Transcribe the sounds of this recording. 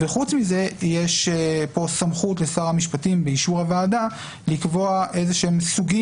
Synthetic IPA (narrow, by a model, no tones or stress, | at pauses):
veχut͡smize̞jeʃpo̞samχutlesaʁhamiʃpatimbeiʃuʁavaːda | likvo̞aʔe̞zeʃeemsuɡi